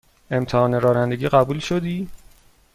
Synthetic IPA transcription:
e̞mt̪ʰehɒːneɾɒːnænd̪eɟiːɢæbuːlʃod̪iː

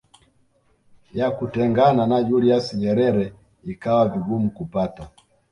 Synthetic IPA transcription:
jakutɛŋɡananad͡ʒuliasiɲɛɾɛɾɛ | ikawaviɡumukupata

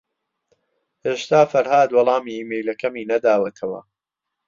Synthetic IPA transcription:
heːʃt̪aːfɐɾhaːd̪wɑlˠɑːmiːiːmejlɐkʰɐmiːnɐd̪aːwɐt̪ʰɐwɐ̰

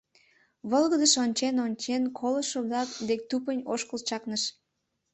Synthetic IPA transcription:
βolɣəd̪əʃonʲt͡ɕenonʲt͡ɕenkʰoləʃoβlɑk̚d̪ek̚t̪up̬ənʲoʃkəlt͡ɕɑknəʃ

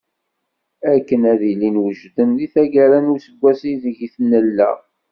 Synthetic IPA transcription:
ækːənæðilinwəʒd̪ənðiθæɡæɾænuɾsəɡʷːæsiðəʝiθnːəlːæ̰

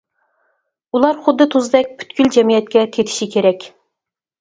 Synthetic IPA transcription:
ulˠɑɾχʊd̪ːɨt̪ʰuzd̪ɛk̚ʲpʰy̥t̪kʲyld͡ʒɛmijɛt̪̚kʲɛt̪ʲʰet̪ʰɪ̥ʃikʲʰeɾɛkʲ

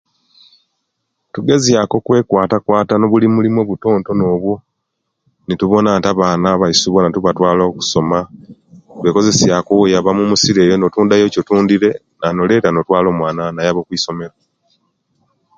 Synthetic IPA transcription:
tuɡe̞zjako̞kwe̞ːkwaːtakwaːtano̞βulimulimwoβuto̞ːnto̞no̞ːβwo | nituβo̞naːntaβaːnaβaisuβo̞natuβatwaːlo̞ːku̥so̞ma | βe̞ko̞ze̞sjakojaβamumusiɾejono̞tuːndajo̞cotuːndiɾe̞ | nano̞le̞ːtano̞twaːlo̞mwaːnanajaβo̞kwiːso̞me̞ɾa

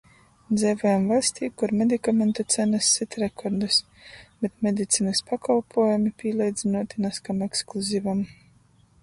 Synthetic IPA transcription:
d̪zɛvɔjamvalʲsʲt̪ʲiːkuɾmʲed̪ikamʲent̪ut̪sænasʲːit̪ʲɾekʰɔɾd̪ɨs | bʲet̪mʲed̪ʲit̪siːnɨspakalˠpʰuɔjamipʲiːlˠʲɛjd̪zʲinuɔt̪ʲinaskameksklˠuzʲivam

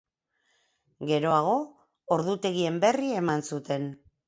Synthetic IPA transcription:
ɡe̞ɾo̞aɣ̞o̞ː | ɾðut̪e̞ɣ̞ie̞mbe̞rie̞mansut̪e̞n

